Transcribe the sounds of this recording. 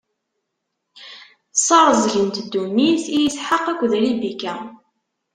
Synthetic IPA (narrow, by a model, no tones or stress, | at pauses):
sˤɑɾˤzʝənt̪d̪ːuniθijəsħəqːækʷːðælibikæ